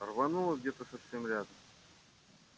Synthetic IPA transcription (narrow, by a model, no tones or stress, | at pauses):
rvɐnulˠəɡdʲet̪əsɐfsʲemɾʲad̪əm